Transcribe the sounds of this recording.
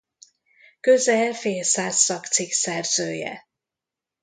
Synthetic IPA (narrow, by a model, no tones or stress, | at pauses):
kø̞zɛlfeːlsaːsːɒkt̪siksɛrz̥øːjɛ̰